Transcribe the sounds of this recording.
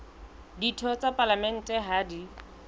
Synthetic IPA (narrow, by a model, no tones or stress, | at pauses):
ditʰɔt͡sʼapʼalamɛn̩tʼɛɦaːdi